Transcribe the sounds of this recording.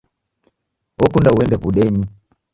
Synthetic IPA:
ɔkundauɛndɛpuɗɛni

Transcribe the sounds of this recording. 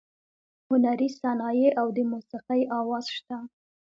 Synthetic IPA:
hʊnaɾisanɑjeʔawd̪əmusiqajɑwɑz̥ʃt̪a

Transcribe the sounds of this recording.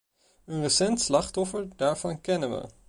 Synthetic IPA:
ənrəsɛntslɑχtɔfəɹdaːɹv̥ɑnkɛnənʋə̰

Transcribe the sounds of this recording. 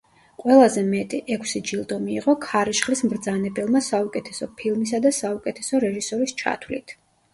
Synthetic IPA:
qʼwɛlˠazɛmɛt̪ʼiʔɛkʷʰsid͡ʒilˠd̪ɔmiːʁʼɔkʰaɾiʃχlismɾd̪zanɛbɛlˠmasaukʼɛt̪ʰɛsɔpʰilˠmisad̪asaukʼɛt̪ʰɛ̥sɔɾɛʒisɔɾist͡ʃʰa̰t̪ʰwlit̪ʰ

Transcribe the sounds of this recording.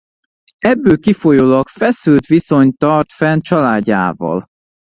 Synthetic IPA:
ɛbːøːkifojoːlɒkfɛsylt̪ʋiso̞ɲt̪ɒrt̪fɛnt͡ʃɒlaːɟːa̰ːvɒ̰l

